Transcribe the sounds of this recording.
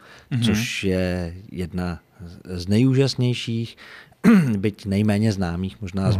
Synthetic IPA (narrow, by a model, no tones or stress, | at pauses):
t͡soʃjɛjɛdna | znɛjuːʒasɲɛjʃiːx | bɪcnɛjmɛːɲɛznaːmiːxmoʒnaːz